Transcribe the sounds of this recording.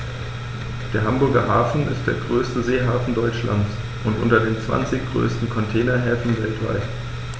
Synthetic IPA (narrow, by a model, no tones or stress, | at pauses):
d̥eːɐɦambʊɐɡɐɦaːfn̩ʔɪ̰std̥eːɐɡʁøːstəzeːɦaːfn̩dɔʏt͡ʃla̰nt͡s | ʔʊntʔʊ̰ntɐdeːnt͡sv̥a̰nt͡sɪçɡ̥ʁø̰ːstn̩kʰɔntʰɛːnɐɦɛːfn̩vɛltv̥a̰ɪt